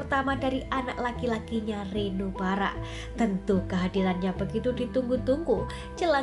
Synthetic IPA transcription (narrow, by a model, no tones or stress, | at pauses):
rt̪amadaɾiʔanaʔ̚lakilakiɲarinubaɾa̰ | t̪ənt̪ukəɦadilanɲabəɡit̪udit̪uŋɡut̪uŋɡu | d͡ʒəla